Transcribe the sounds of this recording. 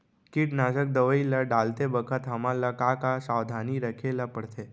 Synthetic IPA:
kiʈnaʃək̚d̪əʋəilaɖalt̪ebəkʰət̪ɦəmalakakasaʋd̪ʱaniɾəkʰelapəɽt̪ʰe

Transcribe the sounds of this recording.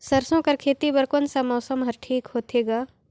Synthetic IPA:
sɐɾsõkɐɾkʰeːt̪ibɐɾkonsamɔːsəmɦɐɾʈʰiːkɦoːt̪eːɡaː

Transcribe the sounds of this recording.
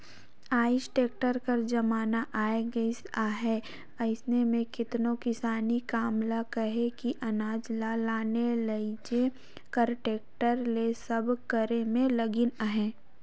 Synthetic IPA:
aːɪʃʈeːk̚ʈəɾkɐɾd͡ʒɐmaːnaʔaːeɡɐisaːɦɛ | ɐɪsnemẽkɪt̪nõkɪsaːnikaːmlakɐɦekiʔɐnaːd͡ʒlalaːnelɐd͡ʒe | kəɾʈeːk̚ʈəɾlesɐbkɐɾemẽlɐɡɪnaɦɛ̃ː

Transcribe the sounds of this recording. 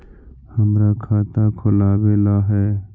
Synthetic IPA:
həmɾakʰaːt̪akʰʊlaːbeːlaɦɛː

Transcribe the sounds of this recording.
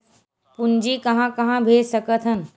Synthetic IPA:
pund͡ʒikɐɦãkɐɦãbʱeːd͡ʒsəkət̪ʰɦən

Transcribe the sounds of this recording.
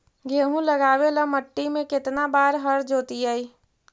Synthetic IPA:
ɡʱeːɦũləɡaːweləməʈːimẽkɪt̪nabaːɾɦəɾd͡ʒoːt̪iaiː

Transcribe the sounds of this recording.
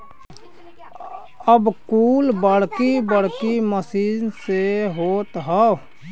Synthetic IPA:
əbkuːlbəɽ̤kibəɽ̤kiməsiːnseɦoːt̪ɦaː

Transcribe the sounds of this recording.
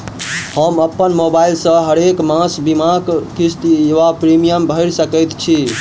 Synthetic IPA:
həməpːənmobailsə̃ɦəɾekmãsbimãkkist̪eʋapɾimijəmbʱəɪɾsəkəjt̪t͡ʃʰi

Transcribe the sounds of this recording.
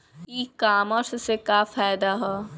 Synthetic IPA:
kikaːməɾssekafaːɪd̪aɦɛː

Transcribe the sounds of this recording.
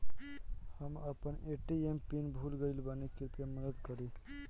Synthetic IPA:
həməpəneʈiempinbʱulɡəɪlbanikiɾpjaməd̪əd̪kəɾi

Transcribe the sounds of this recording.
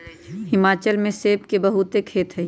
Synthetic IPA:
hɪmaːt͡ʃəlmẽseːpkebɐɦut̪ekʰeːt̪ɦɛ

